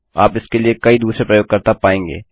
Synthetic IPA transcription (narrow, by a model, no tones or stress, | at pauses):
a̰ːpɪskeliekɐid̪uːsɾepɾɐjoːɡ̚kɐɾt̪apaːẽːŋɡḛː